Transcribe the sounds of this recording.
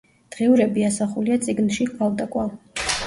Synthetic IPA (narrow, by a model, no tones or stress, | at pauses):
d̪̥ʁiuɾɛbiasaχuliat̪sʼiɡnʃikʼwalˠd̪akʼwa